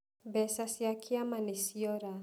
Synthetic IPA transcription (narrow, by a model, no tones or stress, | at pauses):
bɛsasiakʰiamanisiɔɾa